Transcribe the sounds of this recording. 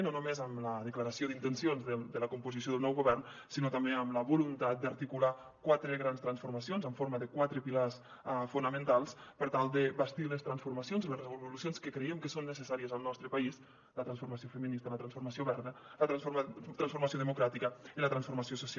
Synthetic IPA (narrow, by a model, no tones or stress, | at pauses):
nonumezəmləðəkləɾəsioðint̪ənsionzðəd̪ələkumpuzisjoðəlˠnɔwɣuβɛrn | sinot̪ambeəmləβulunt̪at̪̚d̪aɾt̪ikula | kwat̪ɾəɣɾanst̪ɾansfuɾmasionzəɱfoɾməðəkwat̪ɾəpilas | funəmə̃nt̪alˠspəɾt̪alˠd̪əbəst̪iləst̪ɾansfuɾmasionzləsrβuβulusjonskəkɾeɛmkəsonːəsəsaɾiəzəlˠnɔst̪ɾəpɐis | lət̪ɾansfuɾmasiofəminist̪ələt̪ɾansfuɾmasioβɛɾnələft̪ɾansfuɾmas̬joðəmukɾat̪ikəilət̪ɾansfuɾmasiosusa